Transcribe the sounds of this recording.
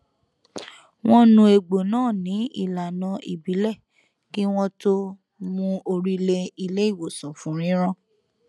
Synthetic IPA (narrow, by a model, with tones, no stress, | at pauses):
w̃ɔ̃˦nũ˧e˨ɡ͡bo˨nãː˦˨nĩ˨˦ḭ˦˨la˨nã˧ʔḭ˨bi˨˦lɛ˦˨ | ki˦w̃ɔ̃˦to˦ | mũ˦o˧ɾi˦le˧i˧le˦i˦˨wo˨sũ˨fũ˨˦ɾ̃ĩ˨˦ɾ̃ã˦